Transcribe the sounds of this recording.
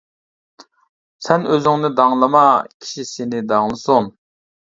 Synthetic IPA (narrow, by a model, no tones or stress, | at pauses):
sɛnøzɪŋnɪd̪ɑŋlˠɑmɑkʲʰi̥ʃisenɪd̪ɑŋlˠɨsuŋ